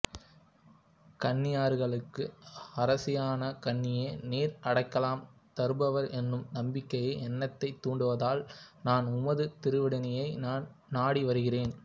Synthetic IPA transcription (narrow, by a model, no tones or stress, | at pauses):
kɐɳːɪjaːɾɣɐɭɯkːɯɐɾɐsɪjaːnɐkɐɳːɪjeːneːɾʔɐɽɐɪkːɐlaːm | t̪ɐɾɯbɐʋɐɾɛnːɯmnɐmbɪkːɐjɐɪɛnːɐt̪ːɐɪt̪ːuːɳɖɯʋɐðaːlnaːnʊmɐðɯt̪ɪɾɯʋɪɽɐnɐjɐɪnaːn | naːɽiʋɐɾɯɣɪreːn